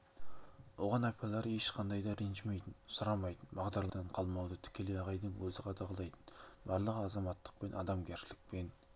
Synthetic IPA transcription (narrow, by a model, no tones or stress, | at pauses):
wo̞ʁɑnɑpɑlˠɑɾəeʃqʰɑnd̪ɑjd̪ɑɾenʒɪmejt̪ɪnsʊɾɑmɑjt̪ənbɑʁd̪ɑɾlˠɑd̪ɑɴqʰɑlˠmɑwd̪ət̪ʰɪ̥kʲe̞leɑʁɑjd̪əɴwɵzɪqʰɑd̪ɑʁəlˠɑjt̪ə̥nbɑɾlˠəʁəɑzɑmɑt̪ːə̥q̚pe̞nʔɑ̰d̪ɑmɡʲʰeɾʃɪlɪk̚pe̞n